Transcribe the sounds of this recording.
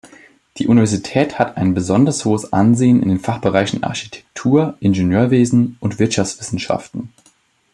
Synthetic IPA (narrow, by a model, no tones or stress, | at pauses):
d̥iːʔunivɛɐzitʰɛːthataɪnbəzɔndəʁəshoːəsʔa̰nzeːənɪ̰ndeːnfaχb̥əʁaɪçn̩ʔa̰ɐçi̥tʰɛ̥k̚tʰuːɐʔɪnʒenjøːɐveːzn̩ʔʊntv̥ɪɐtʃaft͡sv̥ɪsn̩ʃa̰ftn̩